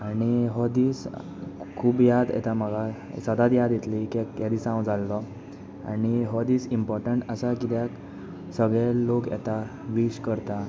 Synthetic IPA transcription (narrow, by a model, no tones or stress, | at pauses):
aɽ̃iɦɔd̪iːs | kʰuːbjad̪ɛ̰t̪am̤əɡa̰ | səd̪ad̪jad̪jet̪likɛkjad̪iːsãwd͡zʱalːɔ | a̰ɽ̃iɦɔd̪iːsimpɔɾʈəɳʈəsakit̪jak | səɡɭɛlokjɛ̰t̪aʋiɕkəɾt̪a